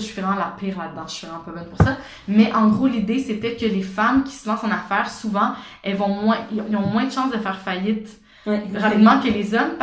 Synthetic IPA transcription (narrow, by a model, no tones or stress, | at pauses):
ʃɥivʁɛmɑ̃lapiːʁlad̪ːɑ̃ə̥ʃivʁɛmɛ̃pøbɔnpuʁsa | mɛʔɑ̃ɡʁolid̪esɛt̪ɛkʲəlefamkʲi̥səlɑ̃sɑ̃nafɛːʁsuvɑ̃ | ɛlvɔ̃mwɛ̃ĩilɔ̃mwɛ̃d̪əʃɑ̃sd̪əfɛːʁfajɪt̪ | ʁapid̪mɑ̃kʲəlezɔmp